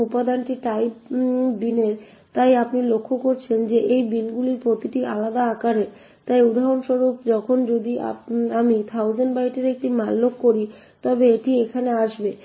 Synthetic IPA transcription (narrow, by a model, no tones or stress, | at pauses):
upad̪anʈiʈajbd̪ineɾ | t̪ajapnilokʰːokoɾt͡ɕʰend͡ʑeʔejbinɡuliɾpɾot̪iʈiʔalad̪aakaɾe | t̪ajud̪ʱaɾonʃoɾupd͡ʑɔkʰond͡ʑod̪ia̰amit̪ʰawd͡ʑenbajʈeɾek̚ʈimalːokːoɾi | t̪ɔbeeʈiekʰaneaʃbe